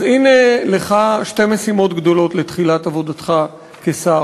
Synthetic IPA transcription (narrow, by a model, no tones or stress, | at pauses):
zineleχaʃte̞mesimo̞tɡd̪o̞lo̞tlet̪χilatavo̞dat̪χa | kesa